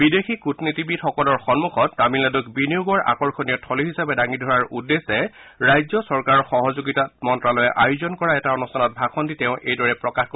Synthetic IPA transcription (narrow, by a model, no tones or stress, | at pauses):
bidexʰikutnitibitxɔkɔlɔɹxɔnmuxɔtnamiladɔkbiniuɡɔɹa̰kɔɹxɔnijɔtʰɔliɦisapɛdaŋidʱɔɹaɹʔudːesɛɹajzɔsɔɹkaɹɔɹxɔɦɔzoɡitatmɔntɹalɔjɛʔajʊzɔnkɔɹaɛtaɔnustʰanɔt̚bʱakʰɔnditɛʊ̃ʔejdɔɹɛpɹɔkaxko